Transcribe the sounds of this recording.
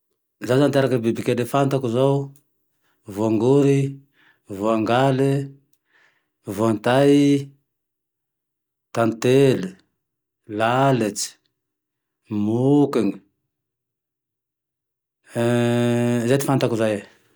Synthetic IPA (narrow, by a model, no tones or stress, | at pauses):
zazant̪aɾakəbibikʲed̪efant̪akuzow | voaŋɡuɾi | vuaŋɡali | vuant̪aj | t̪ant̪eli | lalit͡si̥ | mukiŋi | zat̪i̥fant̪akuzaj